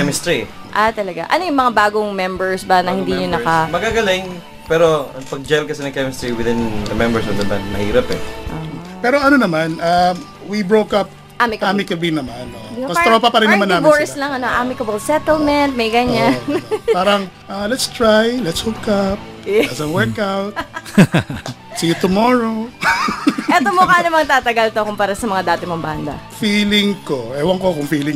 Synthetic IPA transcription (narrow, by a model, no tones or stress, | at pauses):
ɛmɪst̪ɾi | ʔat̪ɐlɐɡaʔɐ̰nojʊŋmɐŋabaːɡoŋmɛmbɛɹsbɐnɐhɪ̃nd̪iɲonɐkɐmɐɡaɡɐlɪŋ | pɛːɾo̞ɐpɐɡ̚d͡ʒɛlkɐsɪnɐŋkɛmɪst̪ɹiwɪd̪ɪnd̪ɐmɛmbɛɹsɔvd̪ɐba̰nd̪̚mɐ̰hiːɾɐpɛ̰ʔa̰pɛːɾoɐnonɐmana | wibɹokɐp̚ | ʔamɪkɐaːmɪŋkɐbinɐmanokɐsɾapapɐɾɪnnɐmanːaːmɪboɹslɐŋɐnoʔaːmɪkɐbolsɛt̪ɛlmɛnt̪̚mejɡɐɲanpaːɾɐŋ | ʔalɛt̪st̪ɹajlɛt̪shokɐp̚ | ɐsɐŋwɛɹkawt̪ | sijʊt̪ʊmoɹo | ʔɛomokaːnɐmɐŋt̪aːt̪ɐɡɐlt̪okʊmpaːɾasɐmɐŋad̪aːt̪ɪmoŋband̪ɐ̰fiːlɪŋkoʔɛwɐŋkokʊŋfiːlɪŋ